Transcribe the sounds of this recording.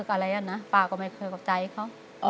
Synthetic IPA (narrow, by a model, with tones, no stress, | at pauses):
ɯ˧˩k̚ʔa˧ɾa˧jʔa˧˩nːa˦˥paː˧˩kɔː˧˩ma˧˩jkʰɤː˧jkʰa˧˩t͡ɕa˧jkʰa˧˥˩w | ʔɔ˧